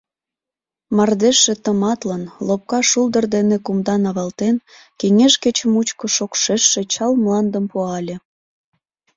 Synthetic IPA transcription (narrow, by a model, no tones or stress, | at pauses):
mɑrd̪eʃːĕt̪əmɑt̪lənlop̚kɑʃuld̪ərd̪enekumd̪ɑnɑβɑlt̪en | keŋeʃket͡ɕəmut͡ɕkoʃokʃeʃːĕt͡ɕɑlmlɑnd̪əmpuɑlʲe